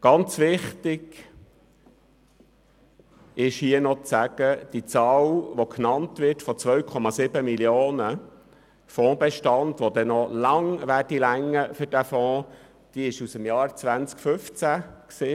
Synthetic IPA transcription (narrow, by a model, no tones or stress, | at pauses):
ɡ̥ɑnt͡sʋɪχtɪɡ̥ | ɪʃhiːənɔt͡sæɡ̥əd̥it͡sɑːlʋokʰnɑntʋɪɾtfɔt͡sʋœɥkʰɔmɑsɪbəmiljoːnə | fɔ̃ːbɛʃtɑntʋod̪ɛnɔlɑŋʋæːrdilæŋːəfʏɾdæfɔ̃ː | d̥iɪʃusəmjɑːɾt͡sʋænt͡skføft͡sæksiː